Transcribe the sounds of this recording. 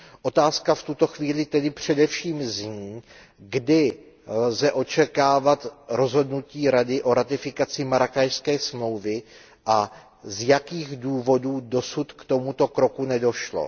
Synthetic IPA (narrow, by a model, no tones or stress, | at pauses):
ʔo̞t̪aːskaft̪ut̪o̞xviːlɪt̪ɛdɪpr̝̥ɛdɛfʃiːmzɲiː | ɡdɪ | lzɛʔo̞t͡ʃɛkaːvat̪ɾo̞zɦo̞dnuciːɾadɪʔo̞ɾat̪ɪfɪkat͡sɪmaɾakajskɛːsmlo̞wvɪ | ʔa | zjakiːɣduːvo̞duːdo̞sut̪kt̪o̞mut̪o̞kɾo̞kunɛdo̞ʃlo̰